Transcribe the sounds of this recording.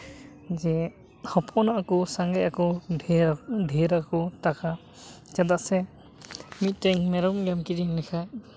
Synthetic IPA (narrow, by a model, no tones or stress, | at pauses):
d͡ʒɛ | hɔpʰɔnaʔakɔsaŋɡajakɔ | dʱiɾakɔtaka | t͡ʃad̪aʔsɛ | mit̚ːɾeŋmɛɾɔmɡamkiɾinɛkʰaj